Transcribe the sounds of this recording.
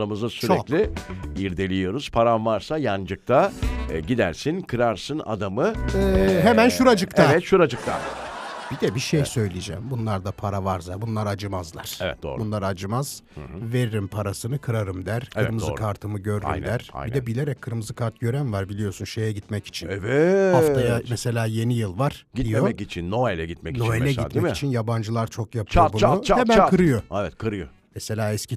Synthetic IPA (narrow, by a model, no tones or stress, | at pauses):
amɯzast͡ʃyɾɛkclʲiiɾd̪e̞lʲijo̞ɾuz̥pʰaɾamvaɾsajand͡ʒɯk̚t̪ʰaɟid̪æɾsinkʰɯɾaɾsɯna̰d̪amɯ | ɦemænʃuɾad͡ʒɯk̪ʰevɛt̪ʃuɾad͡ʒɯk̚t̪ʰa̰n | b̥id̪ɛbiʃejsø̞jlʲijd͡ʒɛ̰mbunlˠaɾd̪apʰaɾavaɾsabunlˠaɾad͡ʒɯmazlˠa̰ɾ̥evɛ̰t̪̚d̪o̰ːɾbunlˠaɾad͡ʒɯmaz̥veɾiɾimpʰaɾasɯnɯkʰɯɾaɾɯmd̪æɾkɯɾmɯzkʰaɾt̪ʰɯmɯɟø̞ɾɾy̰md̪æɾ̰id̪d̪ɛbilʲeɾɛckʰːɯɾmɯzɯkʰaɾt̪̚ɟ̥ø̞ɾænvaɾbilʲijo̞sunʃe̞jɛɟit̪mɛci̥t͡ʃʰinvɛhaft̪ʰajamɛse̞lʲaːje̞nijɯlˠvaɾ̥ɟiijoɛkit͡ʃʰinːoelʲɛɟit̪̚mɛnoelʲɛɟimɛciit͡ʃʰinjaband͡ʒɯlˠaɾt͡ʃʰo̞kjapʰɯbunuhemænkʰɯɾɯjoevɛt̪kʰɯɾɯjo | mɛse̞lʲaːɛscʰi